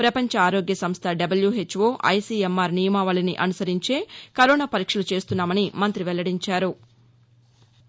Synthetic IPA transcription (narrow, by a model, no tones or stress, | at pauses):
pɾɐpɐɲt͡ʃɐaːɾoːɡjɐsɐmst̪ʰɐɖɐbɐljuɦet͡ʃːʋo̞ːʔɐ̰jsiːemːaːɾnijɐmaːʋaːlɐniʔɐnusɐɾiɲt͡ʃe̞ːkɐɾoːnaːpɐɾiːkʂɐlut͡ʃe̞ːst̪unːaːmɐnimɐnt̪ɾiʋɛlːɐɽiɲt͡ʃaːɾu